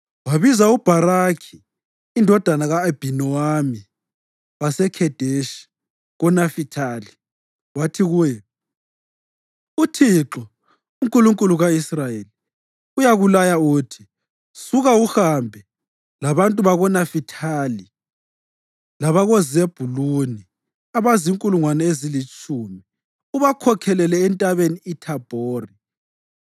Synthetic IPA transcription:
waβizaub̥ʱaɾakʰi̥ː | ndʱɔd̥ʱanaɣaeb̥ʱinɔwami | βasɛkʰɛd̥ʱeʃi̥ | ɣɔnafitʰali | watʰiɣujɛ | utʰiǁɔ | uŋkʼuluŋkʼuluɣaisrajeli | ujaɣulajautʰi̥ | suɣauxambʱɛ | laβantʼuβaɣɔnafitʰali | laβaɣɔzieb̥ʱuluni | aβaziŋkʼuluŋwanɛezilit͡ʃʼuːmi | uβakʰɔkʰɛlɛlɛːntʼaβeniːtʰab̥ʱoːri

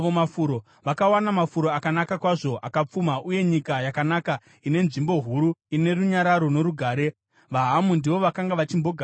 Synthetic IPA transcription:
ʋomafuɾo̞ | ʋakawanamafuɾo̞akanakakwaʐo̞ʔakap͡fumaʔuje̞ɲikajakanaka | ine̞nʐimbo̞ɦuɾuine̞ruɲaɾaɾo̞no̞ɾuɡʱaːɾe̞ | ʋaɦamundiʋo̞ʋakaŋɡaʋat͡ʃimbo̞ɡʱa

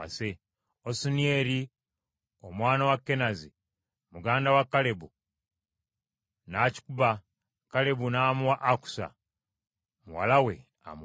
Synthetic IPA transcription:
a̰se | osunieɾi | omwaːnawakːe̞nazi | muɡaːndawakːale̞bu | naci̥kuβa | kale̞bunaːmuwaʔːku̥sa̰ | muwa̰lawe̞̰ | a̰m

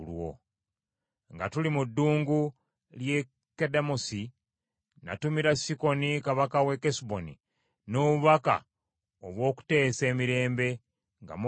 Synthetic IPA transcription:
lwo̰ | ŋɡatulimudːuːŋɡu | lje | kedamosi | na̰tumiɾasiko̞nikaβakawe̞kesbo̞ni | noβuβaka̰ | oβwo̞ːku̥te̞ːse̞ːmiɾe̞ːmbe̞ | ŋɡa̰m

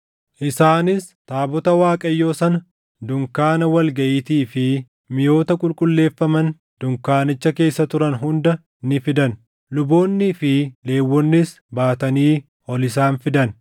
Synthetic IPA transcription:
ʔɪsaːnɪst̪aːbɔt̪ɐwaːkʼɐjːo̞ːsɐnɐ | d̪ʊŋkaːnɐwɐlɡɐʔiːt̪iːfɪ | mɪjo̞ːt̪ɐkʼʊlkʼʊlːe̞ːfːɐmɐn | d̪̥ʊŋkaːnɪt͡ʃːɐke̞ːsːɐt̪ʊɾɐnɦʊnd̪ɐ | nɪfɪd̪ɐn | lʊbo̞ːnːɪfɪle̞ːwːɔnːɪs | baːt̪ɐniː | ʔɔlɪs̬aːnfɪd̪ɐn

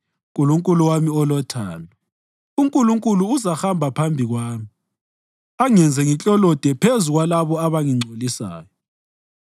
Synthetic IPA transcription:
ɣuluŋkʼuluwamiɔlɔtʰa̰ːlɔ | uŋkʼuluŋkʼuluːzaxambʱapʰambʱiɣwaːmi | aŋɛnd͡zʱɛŋit͡ɬʼɔlɔd̥ʱɛpʰezuɣwalaβɔaβaŋiŋ͡ǀʱolisa̰ːjɔ

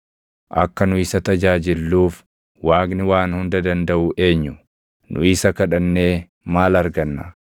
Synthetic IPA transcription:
ʔɐkːɐnʊɪsɐt̪ɐd͡ʒaːd͡ʒɪlːuːf | waːknɪwaːnhʊnd̪ɐd̪ɐnd̪ɐʔʊʔe̞ːɲːʊ | nʔʊ̰ɪsɐkɐᶑɐnːe̞ː | maːlɐɾɡɐnːɐ

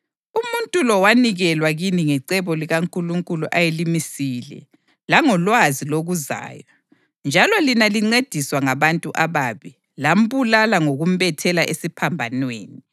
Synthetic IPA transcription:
umuntʼulɔwaniɣɛlwaɣiniŋɛǀɛβɔliɣaŋkʼuluŋkʼuluʔajelimisilɛ̰ | laŋɔlwaziloɣuza̰ːjwa | nd͡ʒʱalɔlinaliŋ͡ǀed̥ʱiswaŋaβantʼuʔaβaːβi | lam̩βulalaŋoɣum̩βɛtʰɛlaʔesipʰambʱanweːni

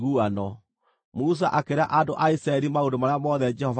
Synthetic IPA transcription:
ɣuanɔ | mus̬aʔakeɾaʔadoʔaisɾaɛɾimaodomaɾamɔðɛd͡ʒɛhɔv

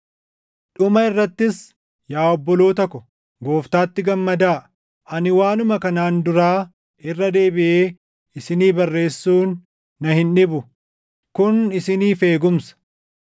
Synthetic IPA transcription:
ᶑʊmɐɪrːɐt̪ːɪs | jaːɔbːɔloːt̪ɐkʊ | ɡo̞ːft̪aːt̪ːɪɡɐmːɐd̪aː | ʔɐnɪwaːnʊmɐkɐnaːnd̪ʊɾaː | ɪrːɐd̪e̞ːbɪʔeː | ɪsɪniːbɐrːe̞ːsːuːnː | ɐhɪnᶑɪbʊ | kʊnɪsɪniːfe̞ːɡʊmsɐ̥

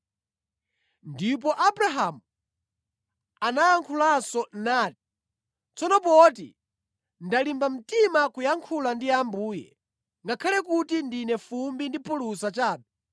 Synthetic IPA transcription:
ndip̬ɔʔabɾaɦamu | anajaŋkʰulasɔnaːti̥ | t͡sɔnɔp̬ɔtḭ | ndalimbam̩timakujaŋkʰulandiambuːjɛ̰ | ŋɡakʰalɛk̬utindinɛfumbindipʰulusat͡ʃaːɓɛ

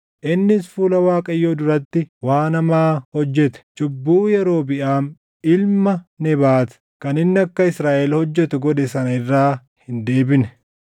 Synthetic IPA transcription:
ʔɪnːɪsfuːlɐwaːkʼɐjːoːd̪ʊɾɐt̪ːɪwaːnɐmaːhɔd͡ʒːɛt̪ɛ̥t͡ʃʼʊbːuːjɛɾo̞ːbɪʔaːn | ɪlmɐnɛbaːt̪ | kɐnɪnːɪɐkːɐɪsɾaːʔɛlhɔd͡ʒːɛt̪ʊɡɔd̪ɛsɐnɐɪrːaː | hɪnd̪e̞ːbɪnɛ

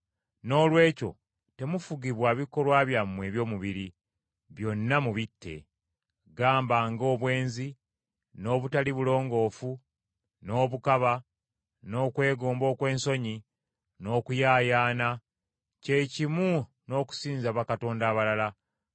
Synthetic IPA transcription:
no̞ːlwe̞ːco̞̰ | te̞mufuɡiβwaːβiko̞lwaːβjamːwe̞ːβjo̞ːmuβiɾi | βjo̞nːamuβitʰːe̞̰ | ɡaːmbaŋɡo̞ːβwe̞ːnzi | no̞ːβutaliβulo̞ːŋɡo̞ːfu | no̞ːβukaβa | no̞ːkwe̞ːɡoːmbo̞ːkwe̞ːnso̞ɲi | no̞ːkujaːjaːna | ce̞cimu | no̞ːku̥siːnzaβakato̞ːndaːβalala

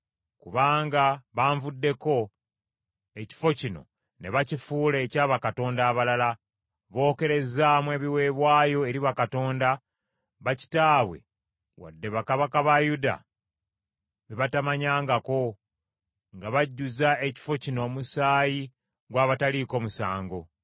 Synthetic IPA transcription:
kuβaːŋɡaβaːɱvudːe̞ko̞ | e̞ci̥fo̞cino̞̰ | ne̞βacifuːle̞ːcaːβakato̞ːndaːβalala | βo̞ːke̞ɾe̞zaːmwe̞ːβiwe̞ːβwaːjo̞e̞ɾiβakato̞ːnda | βaci̥taːβwe̞̰ | wa̰dːe̞βakaβakaβajuda̰ | βiβatamaɲaːŋɡako̞ | ŋɡaβaɟːuzae̞ci̥fo̞cino̞ːmusaːji | ɡwaːβataliko̞ːmusa̰ːŋɡo̞

